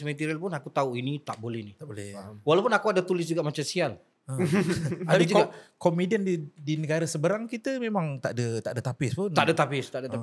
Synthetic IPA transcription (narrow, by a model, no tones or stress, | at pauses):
smɛ̃t̪iɾialpʊnakut̪auinit̪aʔbolɛhnit̪aʔbolɛwalawpʊnakuadat̪ulɪs̬d͡ʒuɡaʔmat͡ʃamsial | ət̪apid͡ʒkɡakɔmidiənidinəɡaɾəsəbəɾaŋkit̪əmẽmãŋt̪aʔdət̪aʔdət̪apɪspʊnaʔdət̪apɪst̪aʔdəa